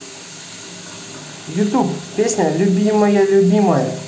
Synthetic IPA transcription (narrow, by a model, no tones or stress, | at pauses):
jut̪up̚pʲesnʲalʲubʲimɐjalʲubʲimɐj